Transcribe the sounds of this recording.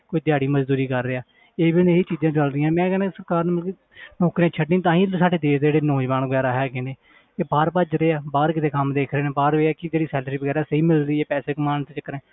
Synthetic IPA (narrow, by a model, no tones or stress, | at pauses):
koːiːd̪ɪjaːɽiːməd͡ʒd̪uːɾiːkəɾːeːaː | eːbineːɦiːt͡ʃiːzãːt͡ʃəlɾɪjãːmɛ̃ːkɛːnaːsəɾkaːɾnẽːmɪlkeː | noːkɾẽaːt͡ʃʰəɖĩːt̪̬ãːĩːsaːɖeːd̪eːsd̪d͡ʒeːɽeːnõːd͡ʒʋaːnəɡɛːɾaːɦɛːkẽːneː | eːbaːɾpəd͡ʒɾeːaːbaːɾkɪt̪ʰeːkəmd̪eːkʰɾeːneːbaːɾeːɛːkɪd͡ʒeːɽiːsɛːlɾiːbəɡɛːɾaːsəɦiːmɪlɾiːɛːpɛːseːkəmaːnt̪ːt͡ʃəkɾẽː